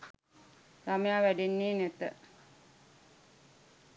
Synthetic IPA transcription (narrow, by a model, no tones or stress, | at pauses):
samejaːʋæɖenːiːnæt̪ə